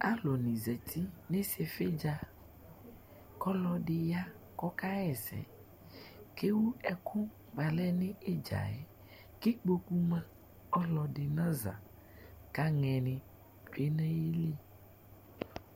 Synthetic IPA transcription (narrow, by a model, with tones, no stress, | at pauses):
a̰˦lo˨nĩ˨zɛ˨t̪ʰi˦nẽ˦si˨˦ɛ˨fe˦d͡ʒa˨ | kɔ˦lɔ˨ɖɪ˨ja˦ | kɔ˦ka˦ɛ˨zɛ̰˨ | ke˦wu˦ɛ˨kʰʊ˦ | ɡ͡ba˨lɛ˦nɪ̃˦e˦d͡ʒa̰˨ɛ˨ | kɪ˦k͡po˦ku˦mã˦ | ɔ˦lɔ˨ɖɪ˨nã˦za̰˨ | ka˦ŋɛ̃˨nɪ̃˨ | t͡ʃe˦nɛ̃˦ji˦le˦